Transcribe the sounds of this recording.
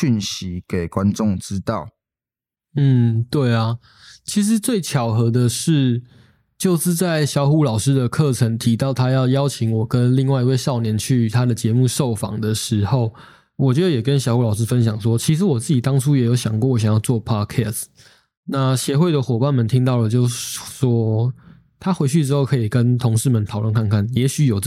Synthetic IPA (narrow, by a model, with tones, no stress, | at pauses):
y˥˨nɕi˧˦ke˨˩ɪkwa˦nʈ͡ʂʊ˥˨ŋʈ͡ʂɻ̩˦˥t̪ɑ˥˨ʊ | n̩˥˩t̪we˥˩ɪa˩ | t͡ɕʰi˧˥ʂ̬ɻ̩˧˦t͡swe˥˩ɪt͡ɕʰjɑ˨˩ʊxɤ˧˥d̪ə˨ʂɻ̩˥˩ | t͡ɕjo˥˧ʊʂɻ̩˥˧t͡sa˥˩ɪɕjɑ˧˥ʊxu˧˥lɑ˨˩ʊʂɻ̩˦d̪ə˨kʰɤ˥˨ʈ͡ʂʰə˧˥ŋt̪ʰi˧˥t̪ɑ˥˩ʊt̪ʰa˥jɑ˥˧ʊjɑ˥ʊt͡ɕʰi˧˥ŋwɔ˨˩kə˦nli˥˧ŋwa˥˧ɪi˧˥we˥˧ɪʂɑ˥˨˩ʊnjɛ˧˦nt͡ɕʰy˥˩˨t̪ʰa˦d̪ə˨t͡ɕjɛ˧˥mu˥˧ʂo˥˨˩ʊfɑ̰˨˩ŋd̪ə˨ʂɻ̩˧˥xo˥˩ʊ | wɔ˨˩t͡ɕɥɛ˧˥d̪ə˧jɛ˨˩kə˦nɕjɑ˧ʊxu˧˥lɑ˨˩ʊʂɻ̩˥fə˦nɕ̬jɑ˨˩ŋʂwɔ˦t͡ɕʰi˧˥ʂ̬ɻ̩˧˥wɔ˨˩t͡sɹ̩˥˩t͡ɕi˨˩t̪ɑ˥ŋʈ͡ʂʰu˥jɛ˨˥jo˧˥ʊɕjɑ̰˨˩ŋkwɔ˥˨wɔ˧˦ɕjɑ˨˩ŋjɑ˥˧ʊt͡swɔ˥˩pʰɑ˦˥kʰɛ˥˨st | na˥˩ɕjɛ˧˦xwe˥˩d̪ə˩xwɔ˨˩pa˥˨nmə˨nt̪ʰi˥ŋt̪ɑ˥˩ʊlə˩t͡ɕjo˥˧ʊʂ̩ʂwɔ˦˥ | t̪ʰa˥xwe˧˥ɪt͡ɕʰy˥˩ʈ͡ʂɻ̩˥xo˥˩ʊkʰɤ˧˥i˨˩kə˦nt̪ʰo˧˥ŋʂɻ̩˥˩mə˨nt̪ʰɑ˨˩ʊlwə˥˨nkʰa˥˧nkʰa˥˩njɛ˧˥ɕy˧˥jo˨˩ʊ